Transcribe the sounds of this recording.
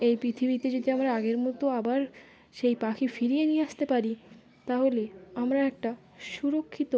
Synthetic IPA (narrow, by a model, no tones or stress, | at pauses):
ejpɾit̪ʰibit̪ed͡ʑod̪iamɾaaɡeɾmɔt̪oabaɾ | ʃejpakʰifiɾijenijeaʃt̪epaɾi | t̪aɦoleamɾaɛk̚ʈa | ʃuɾokʰːit̪o